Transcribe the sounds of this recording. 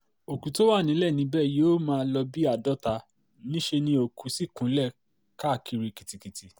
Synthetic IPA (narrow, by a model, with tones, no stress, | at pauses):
o˨ku˨˦to˦wa˦˨nĩ˨˦lɛ˦˨nĩ˧˦bɛ˦˨joː˦mãː˧˦lɔ˧bi˦a˦˨dɔ˦ta˧ | nĩ˦ʃe˧nĩ˧o˨ku˨˦si˦˨kũ˨˦lɛ˦˨ | ka˦˨ki˧ɾi˧ki˨ti˨ki˨ti˧